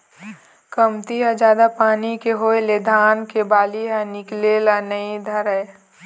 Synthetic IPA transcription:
kəmt̪iɦad͡ʒaːd̪apaːnikeɦoeled̪ʱaːnkebaːliɦanɪkleːlanəĩd̪ʱɐɾɛe

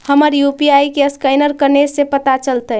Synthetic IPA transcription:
həməɾjupiaikeəskaɪnəɾkəɾnesepət̪at͡ʃəlt̪əɦɛ

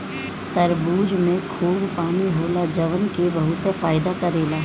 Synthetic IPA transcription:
t̪ɐɾbuːd͡ʒmẽkʰuːbpaːmiɦoːlad͡ʒɐʋənkebɐɦʊt̪faːɪd̪akɐɾeːlaː

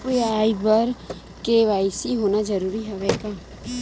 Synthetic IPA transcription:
eaːibəɾ | keʋaːɪsiɦoːnad͡ʒəɾuːɾiɦɛʋɛːka

